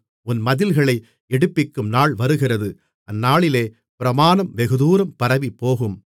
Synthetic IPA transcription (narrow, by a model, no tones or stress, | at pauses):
ʊnmɐðɪlɣɐɭɐɪ | ɛɽɯpːɪkːɯmnaːɭʋɐɾɯɣɪrɐðɯ | ʔɐnːaːɭɪleː | pɪɾɐmaːnɐmʋɛɣɯðuːɾɐmpɐɾɐʋipːoːɣɯm